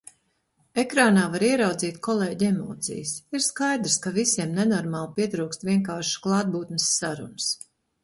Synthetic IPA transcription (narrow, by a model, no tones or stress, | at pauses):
ekɾaːnaːvaɾiɛɾawd̪ziːt̪kɔlˠeːɟʲemɔ̰ːt̪sḭjəsiɾskajd̪ɾskavisiɛmnenɔɾmaːlˠpiɛt̪ɾuːkst̪vʲiɛŋkaːɾʃklˠɑːd̪̚buːt̪nəsːaɾṵns